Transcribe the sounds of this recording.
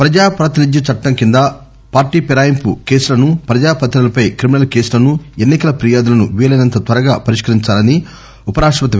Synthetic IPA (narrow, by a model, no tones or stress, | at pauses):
pɾɐd͡ʒaːpɾaːt̪inid̪jɐt͡ʃɐʈːɐŋkind̪a | paːɾʈiːpiɾaːjɐmpṵke̞ːsulɐnupɾɐd͡ʒaːpɐt̪inɐlɐpɐjkɾiminɐlke̞ːsulɐnuenːikɐlɐpɾijaːd̪ulɐnuʋiːlɐnɐnt̪ɐt̪ʋɐɾɐɡaːpɐɾiʂkɐɾiɲt͡ʃaːlɐni | upɐɾaːʂʋɐt̪ɐ